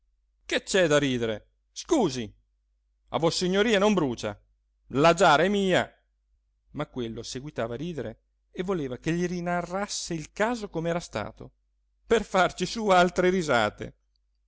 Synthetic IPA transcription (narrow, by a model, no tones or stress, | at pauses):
ket͡ʃːɛd̪aɾiːd̪eɾe | skuːzi | a̰vosiɲːoɾiːanombɾuːt͡ʃa̰ | lad͡ʒaːɾɛmiːa̰ | makːwelːoseɡwit̪aːvaːɾiːd̪eɾeː | vːoleːvakeʎːiɾinarːasːeilkaːzokomeɛːɾast̪a̰ːt̪o̰ | perfart͡ʃisualt̪ɾeɾiza̰ːt̪ḛ